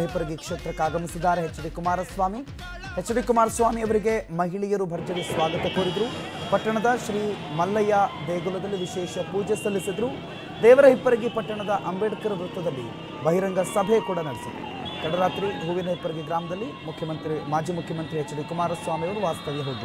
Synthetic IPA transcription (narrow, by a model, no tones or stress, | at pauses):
ɦipːɐɾɐɡikʂeːt̪ɾɐkːaːɡɐmisid̪ːaːɾeɦet͡ʃːɐd̪ikumaːɾɐsʋaːmi | het͡ʃːɐɽikumaːɾɐsʋaːmiɐʋɐɾiɡe̞mɐɦiɭijɐɾubʱɐɾt͡ʃɐɾisʋaːɡɐt̪ɐkoːɾid̪ɐɾu | pɐʈːɐɳɐd̪ɐʃɾiːmɐlːɐjɐb̪eːɡulɐd̪ɐlːiʋiʃɛːʃɐpuːd͡ʒesɐlːisid̪ɐɾu | d̪ɛːʋɐɾɐɦipːɐɾɐɡipɐʈːɐɳɐd̪ɐʔɐmbeːʈɐkɐɾɐbɾut̪ːɐd̪ɐlːḭ | bɐɦiɾɐŋɡɐsɐbʱekuːɽɐnɐɽisid̪ṵ | k̪ɐɽɐɾaːt̪ɾiɦuːʋinɐɦipːɐɾɐɡiɡɾaːmɐd̪ɐlːimukʰjɐmɐnt̪ɾimaːd͡ʒiːmukʰjɐmɐnt̪ɾiɦɛt͡ʃːɐɽikumaːɾɐsʋaːmijɐɾuʋaːst̪ɐʋijɐɦoːd̪ɾu